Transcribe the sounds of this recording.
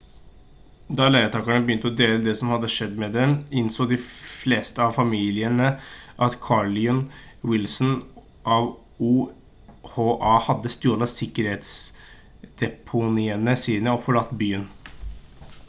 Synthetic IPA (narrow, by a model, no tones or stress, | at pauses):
d̪ɑɭæɪət̪ʰɑːkɑɳəbəjʏnt̪əɔd̪eːləd̪ɛsɔmhɑd̪ːəʂɛd̪ːmɛd̪ɛmɪnsoːd̪ɪfleːst̪əɑʋfɑmiːlɪənəʔɑt̪kʰɑɭɪɔnwɪlsn | ʔɑʋ | uː | hoːʔɑhɑd̪ːəst̪oːlɑsɪkːəɾheːt̪s | d̪̥ɛpʰʊnɪːənəsiːnəɔfɔɭɑt̪ːbyːən